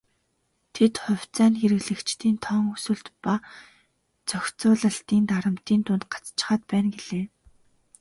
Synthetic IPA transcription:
t̪ʰet̪χʊ̟w̥ʲt͡sæːnxeɾɘ̆ɣɮɘ̆kt͡ɕt̪iːnt̪ʰɔŋusŭɮt̪pa | t͡sœxʲt͡sʊːɮə̆ɬt̪iːnt̪aɾə̆m̥t̪iːnt̪ʊnt̪̚ɢḁt͡st͡ɕɪ̥̆χaːt̪̚pæːnɡeɮ̥eː

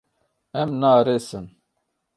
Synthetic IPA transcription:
ɛmnaːɾesɨn

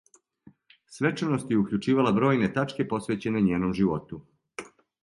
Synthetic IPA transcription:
sʋe̞t͡ʃanost̪jeukʎʲut͡ʃiːʋalabɾo̞ːjne̞t̪at͡ʃke̞po̞sʋe̞ːt͡ɕe̞neɲeːno̞mʒiʋo̞t̪u

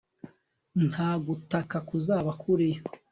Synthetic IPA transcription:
nhaːɡutakakuzaːβakʰuɾe

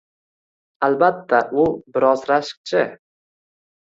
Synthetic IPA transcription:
albat̪ʰːaʔʊbɪɾɒzɾaʃɨ̥q̚t͡ʃʰɪ

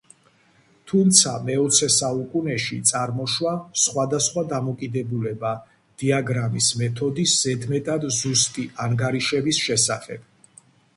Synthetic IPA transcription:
t̪ʰumt̪sʰamɛɔt̪sʰɛsaukʼunɛʃit̪sʼaɾmɔʃwasχwad̪asχwad̪amɔkʼid̪ɛbulɛba | d̪̥iaɡɾamismɛt̪ʰɔd̪isz̥ɛd̪mɛt̪ʼad̪zust̪ʼiaŋɡaɾiʃɛbisʃɛsaχɛb̥

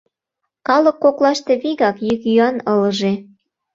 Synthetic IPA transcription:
kɑlə̆kːoklɑʃt̪eβiɣɑkjykyɑnɤlə̆ʒe

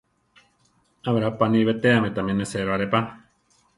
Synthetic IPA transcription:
aβɾapaniβet̪eamet̪amẽneseɾoaɾepa

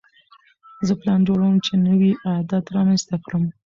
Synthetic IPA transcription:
zəplɑnd͡ʒoɽawəmt͡ʃenəwiʔajd̪at̪ɾɑmanst̪akɽəm

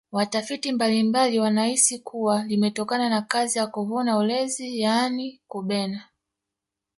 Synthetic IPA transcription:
watafitimbalimbaliwanahisikʰuwalimɛtɔkananakazijakuɦɔnaulɛzijanikuɓɛna

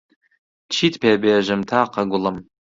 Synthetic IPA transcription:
t͡ʃʰitʰʼpʰeabejaʒɨmtʰaːqʰaɡʷʊləm

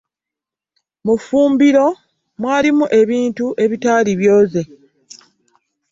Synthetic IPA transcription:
mufuːmbiɾo̞ | mwaːlimuʔe̞βiːntuʔe̞βitaːliβjo̞ːze̞

